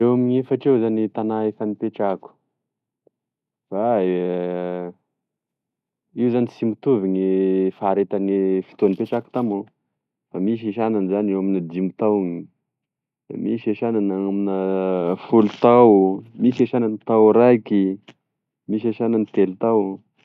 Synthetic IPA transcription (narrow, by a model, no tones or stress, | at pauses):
ewamiɲefaʈ͡ʂewzanit̪anaefanipeʈ͡ʂaku̥ | fa | iwzanisimut̪uviɲifaɾet̪anifi̥t̪onipeʈ͡ʂaku̥t̪amo | famiʃ̬eʃananzanewaminad̪imut̪awŋḭ | miʃeʃananaaminəfulut̪awmiseʃananit̪awɾajki | miʃ̬eʃananit̪elt̪aw